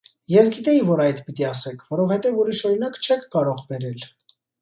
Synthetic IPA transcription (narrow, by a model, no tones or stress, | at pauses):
jɛsɡit̪ɛjivɔɾɑjd̪pit̪iɑsɛkʰvɔɾɔvhɛt̪ɛvuɾiʃɔɾinɑkt͡ʃʰɛkʰːɑɾɔʁbɛɾɛl